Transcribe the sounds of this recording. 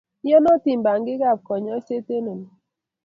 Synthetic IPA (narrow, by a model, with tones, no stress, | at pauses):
jɔ˦nɔ˦ti˨m̩˨ba˨ŋ˦ɡi˦ɡa˦˨p̚kɔ˨ɲɔ˦se˦te˦ne˨n˨